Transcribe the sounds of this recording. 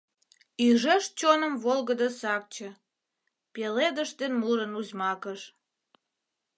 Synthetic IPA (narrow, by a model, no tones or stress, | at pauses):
yʒəʃt͡ɕonəmβolɣəd̪əsɑk̚t͡ɕə̆ | peled̪əʃt̪enmuɾənuzmɑkəʃ